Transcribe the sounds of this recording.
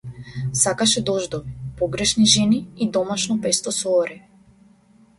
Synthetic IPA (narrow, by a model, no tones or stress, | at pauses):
sakaʃɛd̪ɔʒd̪ɔvipɔɡɾɛʃniʒɛniːd̪ɔmaʃnɔpɛst̪ɔsɔːɾɛ